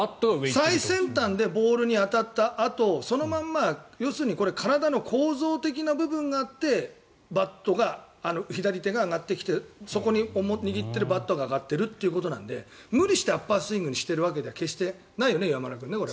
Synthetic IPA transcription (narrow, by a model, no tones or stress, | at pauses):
at̪ːosaisẽ̞nt̪ãnd̪e̞bo̞ːɾɯɲ̟iat̪at̪ːaʔat̪o̞so̞no̞mãmːajo̞ːsɨ̟ːɲ̟iko̞ɾe̞kʰaɾad̪ano̞kʰo̞ːzo̞ːt̪e̞k̬ʲinabɯ̟bɯ̟̃ŋɡaːt̪ːe̞ | bat̪ːo̞ɡaː | no̞çid̪aɾʲit̪e̞ɡaːɡat̪ːekʲi̥t̪e̞so̞ko̞ɲ̟iomɲ̟iɡʲit̪ːe̞ɾɯ̟bat̪ːo̞ɡaːɡat̪ːe̞ɾɯ̟t̪ːe̞iɯ̟ko̞t̪o̞nã̰nd̪e̞̰mɯ̟ɾʲiɕi̥t̪e̞apːasɨĩŋɡɯ̟ɲ̟iɕi̥t̪e̞ɾɯ̟β̞ak̬e̞d̪eake̞ɕi̥t̪e̞ | naijo̞ne̞iβamanak̬ɯ̟nːekoɾe